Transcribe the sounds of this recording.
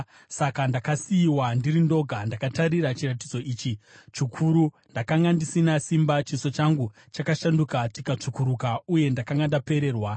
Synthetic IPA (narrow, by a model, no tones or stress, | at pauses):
sakandakasiːwandiɾindo̞ɡʱandakataɾiɾat͡ʃirat̬id͡zo̞iːt͡ʃit͡ʃikʰuɾu | ndakaŋɡandisinasimbat͡ʃiso̞t͡ʃaŋɡu | t͡ʃakaʃandukatikat͡ʂukuɾukauje̞ndakaŋɡandape̞ɾe̞ːrwa